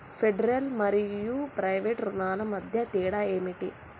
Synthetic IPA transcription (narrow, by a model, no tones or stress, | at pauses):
pʰeɖɐɾɐlmɐɾijupɾɐjʋeːʈɾunaːnɐmɐd̪ʱjɐt̪iːɽaeːmiʈi